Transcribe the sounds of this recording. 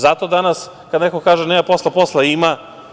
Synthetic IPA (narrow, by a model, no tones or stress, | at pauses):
zat̪od̪anas | kad̪nekokaːʒenemaposlˠeposleima